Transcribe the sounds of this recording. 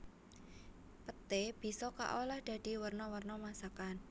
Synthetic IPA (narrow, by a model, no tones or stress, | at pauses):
pət̪eb̥i̤sɔka̰ʔolahd̪̥ä̤d̪̥i̤wərnɔwərnɔmasakan